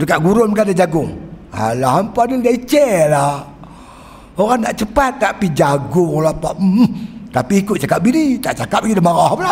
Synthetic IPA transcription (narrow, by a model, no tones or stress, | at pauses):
dəkaʔɡuɾʊnməkadad͡ʒaɡʊŋa̰laɦampadalait͡ʃɛla | oɣaŋnaʔt͡ʃəpat̪̚ːaʔpid͡ʒaɡʊŋlapaʔ̩ | t̪apiːkʊt̪̚t͡ʃakap̚binit̪aʔt͡ʃakap̚ɡidamaŋaɦpla